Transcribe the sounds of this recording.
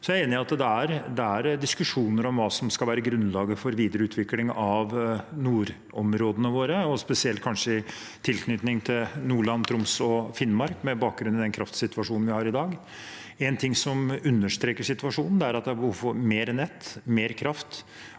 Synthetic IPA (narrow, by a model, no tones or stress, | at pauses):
sɔjæeːnɪɑt̪d̪ɛæɾd̪ɛæɾd̪ɪskʉʂuːnəɾɔmʋɑːsɔmskɑlʋæːɾəɡɾʉnlɑːɡəfɔɾʋiːd̪əɾəʉːt̪ʰʋɪklɪŋɑʋnuːɾ | ɔmɾoːd̪ənəʋoːɾəɔspɛsɪɛlt̪̚kʰɑnʂəɪ | t̪ʰɪlkʰnʏt̪nɪŋt̪ʰɪlnuːɭɑnt̪ʰɾʊmsɔfɪnːmɑɾkmɛbɑːk̚ɡɾʉnːɪd̪ɛnkʰɾɑft̪sɪt̪ʉʋɑʂuːnn̩ʋɪhɑːɾɪd̪ɑːɡ | ɛnt̪ʰɪŋsɔmʉnːəʂt̪ɾeːkəʂɪt̪ʋɑʂuːnn̩d̪ɛæɾɑt̪̚d̪ɛæbəuːfɔɾmeːɾnɛt̪ːmeːɾkʰɾɑft̪